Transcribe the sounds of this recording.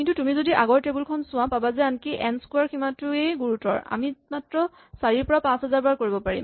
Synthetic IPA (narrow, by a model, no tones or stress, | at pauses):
kintutumizodiʔaɡɔɹtebulkʰɔnsʊ̃ãpabazɛankiʔɛnskuaɹkʰimatʊejɡuɹutɔ̰ɹa̰mimatɹɔ | saɹiɹpɔɹapãsɦazaɹbaɹkoɹibɔpaɹḭm